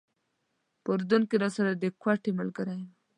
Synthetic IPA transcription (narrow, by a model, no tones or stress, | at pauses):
pəɾd̪ʊnkeɾɑsaɾad̪əkwaʈemalɡəɾajm